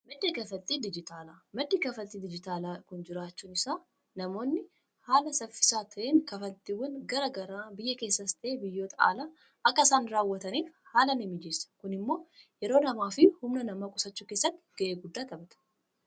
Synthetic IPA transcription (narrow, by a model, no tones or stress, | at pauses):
mɐd̪ːeːkɐfɐlt̪ʼiːd̪ɪd͡ʒɪt̪ʰaːlaːmɐd̪ːeːkɐfɐt̪ʼːiːd̪ɪd͡ʒɪt̪aːlaːkʊnd͡ʒɪɾaːt͡ʃːuːnɪsaː | nɐmo̞ːnːɪ | haːlɐsɐfɪ̥saːt̪ʰɐʔeːŋkɐfɐlt̪ʼiːwɐnɡɐɾɐɡɐɾaːbɪjːɐke̞ːsːɐst̪ʰɐʔeːbɪjːo̞ːt̪ʼɐa̰ːla | ʔɐkːɐsaːnɾaːwːɐt̪ɐniːfhaːlɐnɪmːɪd͡ʒeːsɐ̥kʊnɪmːo̞ːjɛɾo̞ːnɐmaːfɪhʊmnɐnɐmaːkʼʊsɐt͡ʃːʊkeːsːɐt̪ːɪ̥ɡ̥ɐʔe̞ːɡʊd̪ːaːt̪ɐbɐt̪ɐ̥